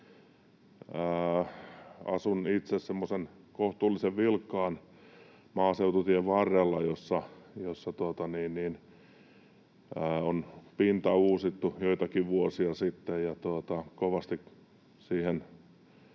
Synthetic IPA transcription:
ə | ɑ̰sunit̪sessemːosen | koht̪uːlːiseʋʋilkːɑːn | mɑːseut̪ut̪ieʋʋɑrjelːɑjosːɑjosːɑt̪uot̪ɑniːnniːn | əːonpint̪ɑuːsit̪ːujoit̪ɑkiʋʋuosiɑsit̪ːejjɑt̪uot̪ɑkoʋɑst̪ik | siːhen

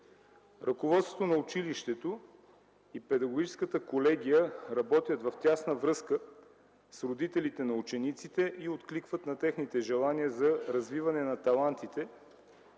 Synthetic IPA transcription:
ɾʔɐkovɔt̪st̪vo̥t̪onɐʊt͡ʃiliʃt̪ɛt̪o | ipɛd̪ɐɡoɡʲit͡ʃɛskət̪əkolɛɡʲijəɾɐbɔt̪ʲjət̪vɐft̪ʲjasnəvɾɤskə | sɾod̪it̪ɛlit̪ɛnɐut͡ʃɛnit̪sit̪ɛʔiot̪klikvət̪nɐt̪ɛxnit̪ɛʒɛlˠaniəzɐɾɐzvivɐnɛnɐt̪ɐlˠant̪it̪ɛ

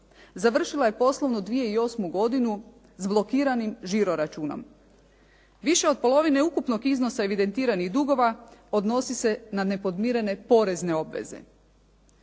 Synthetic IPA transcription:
zaʋr̩ʃilˠaje̞po̞slˠo̞ʋnod̪ʋije̞io̞smuɡo̞d̪inu | zblˠo̞kiːɾanimʒiɾo̞ɾat͡ʃuːno̞̰m | ʋiʃe̞o̞d̪̚po̞lo̞ʋine̞ukupno̞ɡiznosae̞ʋid̪e̞nt̪iːɾaniɣd̪uɡo̞ʋao̞d̪no̞sise̞nane̞po̞d̪miːɾe̞ne̞po̞ɾe̞zne̞o̞bʋḛze̞̰

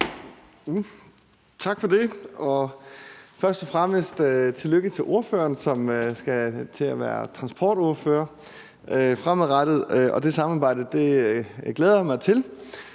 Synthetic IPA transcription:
t͡sʰɑ̈ɡ̥fɒ̽d̥e̝ʔɒ̽ | fɶɐsd̥ɒ̽fʁaməsd̥øt͡sʰe̝løɡ̥ət͡sʰe̝ʔo̝ɐfø̰ːɐnsɒ̽møsɡ̥æt͡sʰe̝æʋæɐt͡sʰʁɑ̈nsb̥ʰɒ̰ːd̥oɐfø̰ɐ | ʔøfʁamˠʁɑd̥əð̩ˠʔɒ̽d̥e̝sɑ̈mɑ̈ːb̥ɑ̈ɪ̰d̥əd̥e̝ɡ̥leːð̞ˠɐjamɑ̈ɪt͡sʰe̝l

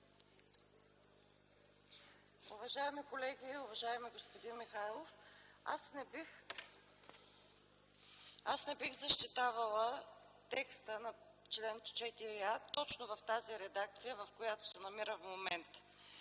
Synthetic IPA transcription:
ʊvɐʒaɛmikolɛɡʲiʊvɐʒaɛmiɡospod̪inmixajlˠofa̰snɛbi | asnɛbixzəʃt̪it̪avɐlˠə | t̪ɛkst̪ənɐ | t͡ʃlɛnt͡ʃɛt̪iɾiat̪ɔt͡ʃnovɐft̪aziɾɛd̪ak̚t̪sijəvɐfkojat̪ʊ̥sɛnɐmiɾəvmomɛnt̪

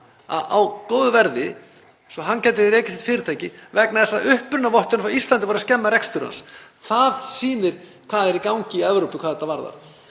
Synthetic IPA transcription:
a̰a̰wkoːwðʏvɛɾðɪ | sɔɦancɛːjt̪ɪðɪɾeːjcɪs̬ɛ̥t̪fɪːɾɪt̪ʰaːjcɪvɛknaðɛsːaʔʏhpʏɾnavɔht̪ʏnfawist̪lant̪ɪfaːɾascɛmːaɾɛkst̪ʏɾa̰ns | θaðsiːnɪɾ̥ | kʰvaːðɛɾikawɲcɪiɛvɾowpɪkʰvaðɛt̪ːavaɾða̰ɾ̥

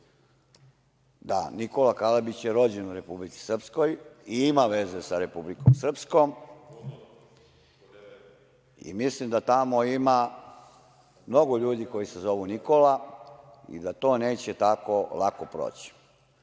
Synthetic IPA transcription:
d̪a̰nikolakalabit͡ɕjeɾo̞d͡ʑenuɾe̞publit̪si̥sr̩psko̞jiimaʋe̞zesaɾe̞publikomsr̩pskom | ḭmislimd̪at̪amoima | mno̞ɡoʎuːd̪iko̞jise̞zo̞ʋunikola | ḭd̪at̪o̞ːne̞ːt͡ɕe̞t̪ako̞lakopɾo̰ːt͡ɕi̥

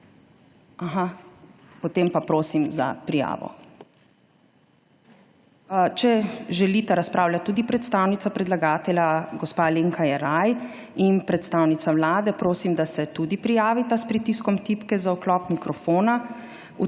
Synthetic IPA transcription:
aɦa | pɔt̪eːmpapɾoːsimza̰pɾija̰ːʋɔ̰ | t͡ʃɛʒɛlit̪ɛɾaspɾʔaːwlat̪ːuːd̪ipɾɛt̪st̪awnit̪sapɾɛd̪laɡaːt̪ɛlʲjaɡɔspaːleŋkajɛɾaj | inpɾɛt̪st̪aːwnit̪sawlaːd̪ɛpɾoːsimd̪asɛt̪ud̪ipɾijaːʋit̪aspɾit̪iskɔmt̪ipkɛzaɔklɔːpmikɾɔfoːna | u

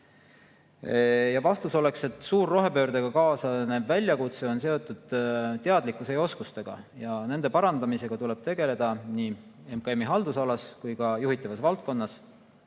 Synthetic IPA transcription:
jɑvɑst̪uso̞le̞kse̞t̪ːˑsuːrːo̞ɦe̞pø̞ːɾd̪̥eɡ̥ɑkɑːsɑnevælʲjɑkut̪seo̞ns̬e̞o̞t̪ːˑud̪̥t̪e̞ɑd̪likːˑusejo̞skust̪e̞ɡ̥ɑ̰jɑne̞nd̪e̞pɑɾɑnd̪ɑmise̞ɡ̥ɑt̪ulɛ̞b̥̚t̪e̞ɡ̥e̞le̞d̪̥ɑniː | e̞mkɑemːiɦɑld̪usɑlɑskujkɑjuɦhit̪ːˑɑvɑsvɑlt̪̚ko̞nːɑs

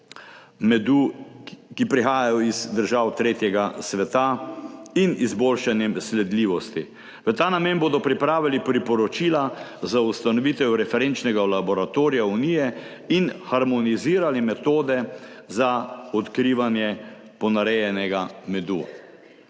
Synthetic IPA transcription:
mɛd̪u | kipɾixaːjajɔizd̪əɾʒawt̪ɾeːt̪jɛɡasʋɛt̪a | inizboːlʃanjɛmslɛd̪liːʋɔst̪i | ʋət̪aːnameːnboːd̪ɔpɾipɾaːʋilipɾipɔɾɔt͡ʃiːlazaust̪anɔʋit̪ɛwɾɛfɛɾent͡ʃnɛɡalabɔɾat̪oːɾijaunijɛ | inxaɾmɔniziːɾalimɛt̪oːd̪ɛ | zaɔt̪kɾiːʋanjɛ | pɔnaɾɛjɛnɛɡamɛd̪u

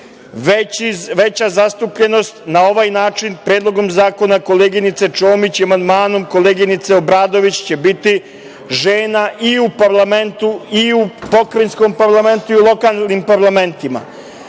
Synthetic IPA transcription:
ʋeʋe̞t͡ɕazast̪upʎe̞no̞st̪nao̞ʋaːjnaːt͡ʃinpɾeːd̪lˠo̞ɡo̞mzaːko̞nako̞leɡinit̪se̞t͡ʃo̞ːmit͡ɕiamand̪maːnomko̞leːɡinit̪seobɾaːd̪o̞ʋit͡ɕt͡ɕe̞bit̪i | ʒeːnaʔiupaɾlˠame̞nt̪uiupo̞kɾensko̞mpaɾlˠame̞nt̪uiulˠo̞kalnimpaɾlˠame̞nt̪ima̰

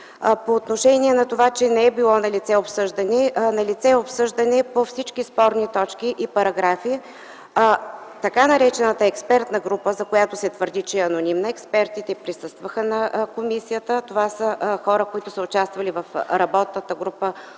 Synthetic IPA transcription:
poːt̪noʃɛniɛnɐt̪ovat͡ʃɛnɛɛbilˠɔnɐlit̪sɛopsɤʒd̪ɐnɛnɐlit̪sɛopsɤʒd̪ɐnɛpofsit͡ʃkispɔɾnit̪ɔt͡ʃkiʔipɐɾɐɡɾafi | t̪ɐkanɐɾɛt͡ʃɛnət̪əɛkspɛɾt̪nəɡɾupəzɐkojat̪ʊsɛt̪vəɾd̪it͡ʃɛɛɐnonimnəɛkspɛɾt̪it̪ɛpɾisɤst̪vəxənɐkomisijət̪ət̪ovasəxɔɾəkoit̪ʊsəʊt͡ʃast̪vɐlivɐfɾɐbɔt̪nət̪əɡɾupə

